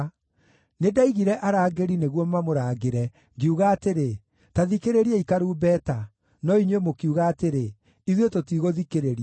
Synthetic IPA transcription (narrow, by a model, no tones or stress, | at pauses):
nedaiɣiɾɛʔaɾaːɡeɾineɣwɔmamoɾaːɣeɾɛ | ŋɡiuɣaːteɾe | taðikeɾeɾiaikaɾuːbɛːta | nɔiɲwemokiuɣaːteɾe | iðwetotiɣoðikeɾeɾia